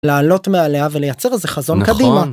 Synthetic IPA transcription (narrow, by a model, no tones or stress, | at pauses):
laːlo̞tmealeavelejat͡seʁezeχazo̞nkad̪ima